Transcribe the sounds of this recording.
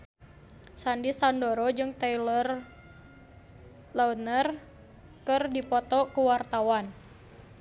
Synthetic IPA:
sandisandoɾɔd͡ʒɨŋt̪ɛjlr | lawnər | kɨrdipɔt̪ɔkəwart̪awan

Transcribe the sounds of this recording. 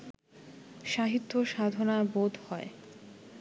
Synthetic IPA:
ʃaɦit̪ːoʃad̪ʱonabod̪ʱhɔe

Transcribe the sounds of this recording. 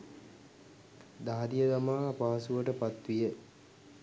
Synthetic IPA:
d̪aɦad̪ijəd̪amaːpaːsuʋəʈəpat̪ʋijə

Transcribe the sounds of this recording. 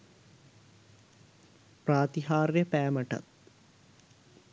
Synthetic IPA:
praːt̪iɦaːrjəpæːməʈɐ̰t̪

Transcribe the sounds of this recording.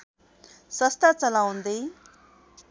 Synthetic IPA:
səst̪ʰat͡səlawnd̪əj

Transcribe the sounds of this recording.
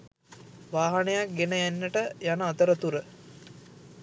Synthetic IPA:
ʋaːɦanejak̚ɡenəjænːəʈəjanəːt̪əɾət̪uɾə

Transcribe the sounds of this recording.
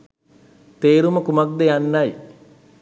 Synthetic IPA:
t̪eːɾuməkumak̚d̪ejanːaj

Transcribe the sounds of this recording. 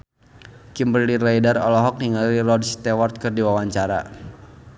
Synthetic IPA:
kimbɾilirajdarɔlɔɦɔk̚niŋaɾirɔdst̪ɛwɔrt̪̚kɨrdiwawaɲt͡ʃaɾa̰

